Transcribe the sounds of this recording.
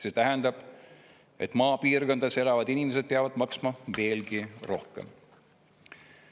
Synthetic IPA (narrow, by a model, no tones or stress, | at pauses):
se̞t̪æɦɛnd̪̥ɑb̥ | e̞t̪ːˑmɑːpiːrko̞nd̪ɑse̞lɑvɑd̪inʲimese̥peɑvɑd̪̥mɑksmɑve̞ːlɡiro̞hkḛm